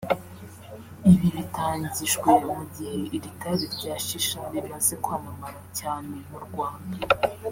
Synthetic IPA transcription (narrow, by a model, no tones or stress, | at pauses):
iβiβitaːɲɟiʒɡweumuɟiheʔiɾitaɾiɾɟaːʃiʃaniɾazekwaːmamaɾacaːnemuɾɡwaːnda